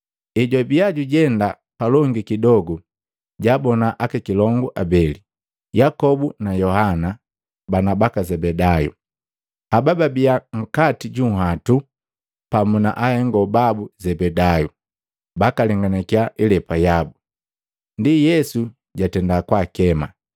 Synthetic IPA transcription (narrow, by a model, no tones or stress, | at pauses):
ɛɟabiaɟuɟɛnda | palɔŋɡikidɔɡu | ɟabɔnaʔakɛkilɔŋɡuʔabɛli | jakɔbunajɔhana | banabakazɛbɛdajṵ | abababiaŋ̩katiɟuɦatu | pamuna̰ʔahɛŋɡɔbabuzɛbɛdaju | bakalɛŋɡanɛkiaʔilɛpajabu | ndijɛsu | ɟatɛndakwakɛma